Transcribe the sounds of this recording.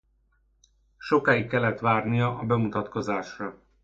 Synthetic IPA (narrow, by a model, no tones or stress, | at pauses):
ʃo̞kaːjikːɛlːɛt̪ʋaːrnijɒʔɒbɛmut̪ɒt̪ko̞zaːʃrɒ